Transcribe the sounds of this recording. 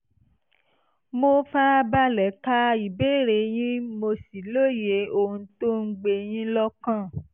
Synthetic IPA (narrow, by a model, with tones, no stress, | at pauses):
mo˧fa˦˧ba˦lɛ˨˦ka˦i˨be˦˨ɾe˨˦j̃ĩ˦mo˧si˨lo˦je˨˦o˨ũ˧to˦ŋ̩˦ɡ͡be˧j̃ĩ˦lɔ˦kã˦˨